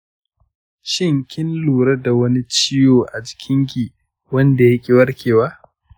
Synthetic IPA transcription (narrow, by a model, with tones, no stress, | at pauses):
ʃɪ˦˨ŋkʲɪ˦nluː˨ɾɐ˦da˨wɐ˦ni˦t͡ʃi˦joː˨ʔa˨d͡ʒɪ̥˨kʲʰɪ˦ŋɡʲiː˨ | wɐ˦nda˨jɐ˦kʲʼi˦˨wɐ˦rkʲeː˨waː˦